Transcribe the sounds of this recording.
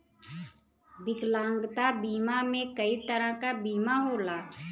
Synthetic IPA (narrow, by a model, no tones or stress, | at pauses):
bɪklãːŋɡt̪abiːmamẽkəit̪əɾãkabiːmaɦoːlaː